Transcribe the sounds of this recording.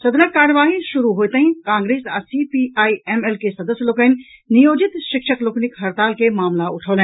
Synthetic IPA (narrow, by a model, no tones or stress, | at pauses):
sɐd̪nəkkːaːɾəʋaːɦĩʃʊɾuɦoːt̪eɦĩkãːŋɡɾeːsɐsipiaːiɛmɛlkesɐd̪əsjloːkən | nɪjoːd͡ʒɪt̪ʃɪkʃəkloːknɪkɦɐɾt̪aːlkemaːmlaʊʈʰoːlɛ̃ː